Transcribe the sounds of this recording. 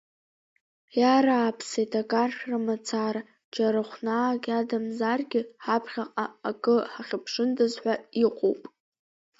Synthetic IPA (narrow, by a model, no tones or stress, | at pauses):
jaɾaːpʰsejtʰakʼarʃʲᶣramat͡sʰara | d͡ʒaɾɨχʷnaːkʲʼadamzarɡʲɪħapʰχʲaqʼaːkʼɨħaχʲɪpʰʂɨndɨzħʷᶣaiqʷʼo̰wpʼ